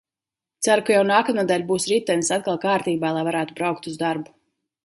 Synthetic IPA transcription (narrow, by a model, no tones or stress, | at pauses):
t̪saɾukajawnaːkamuːd̪alʲbuːsɾit̪ɛnsat̪̚kalˠkaːɾt̪iːbaːlˠajvaɾaːt̪ubɾawk̚t̪uzd̪aɾbu